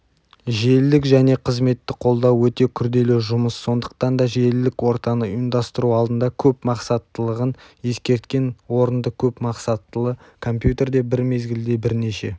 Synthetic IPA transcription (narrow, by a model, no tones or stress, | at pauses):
ʒeld̪ɪkʒæne̞qʰəzme̞t̪ːɪqʰo̞lˠd̪ɑwːɵt̪e̞kʲʰʏɾd̪e̞leʒʊməsːo̞nd̪əq̚t̪ɑnd̪ɑʒeld̪ɪkwo̞ɾt̪ɑnəʊənd̪ɑst̪əɾuɑlˠd̪ənd̪ɑkʲʰɵpmɑqsɑt̪ːəlˠəʁənje̞skʲe̞ɾt̪kʲe̞nwo̞ɾənd̪əkʲʰɵpmɑqsɑt̪ːəlˠə | kʰo̞mpjut̪e̞ɾd̪e̞bɪɾme̞zɡʲɪld̪e̞bɪɾneʃe̞